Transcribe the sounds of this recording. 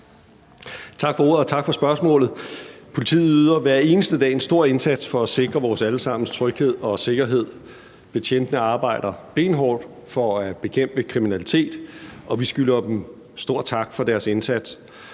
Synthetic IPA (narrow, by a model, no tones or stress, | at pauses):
t͡sʰɑ̈ɡ̥fɒ̽o̝ːɐɒt͡sʰɑ̈ɡ̥fɒsb̥ɶɐsmɔ̰̽ːlð̩ˠpʰo̝lit͡sʰḭːð̩ˠyðˠɐʋæɐ̰e̝ːnəsd̥əd̥ɛ̰ːensd̥o̝ɐ̰e̝nsæd̥sfɒ̽æse̝ɡ̥ʁɐʋɒːsæləsɑ̈m̰n̩st͡sʰʁœɡ̥he̝ð̰ˠɒ̽se̝ɡ̥ɐɦe̝ð̞̰ˠ | b̥e̝t͡ɕʰen̰d̥ənəɑ̈ːb̥ɑ̈ɪ̰d̥ɐb̥e̝̰ːnɦɒd̥ | fɒ̽æb̥e̝kʰem̰b̥əkʰʁiminælit͡sʰe̝̰ːd̥ɒ̽ʋisɡ̥ylɐd̥em̩ | sd̥o̝ɐ̰d̥t͡sʰɑ̈ɡ̥fɒ̽d̥æɐsensæd̥s